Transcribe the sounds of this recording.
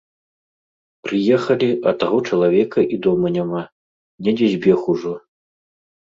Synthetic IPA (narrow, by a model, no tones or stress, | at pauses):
pɾɨjɛxɐlʲiʔɐt̪aɣɔt͡ʂɐlˠavʲɛkɐʔid̪ɔmɐnʲama | nʲɛd͡zʲɛzʲbʲɛxuʐɔ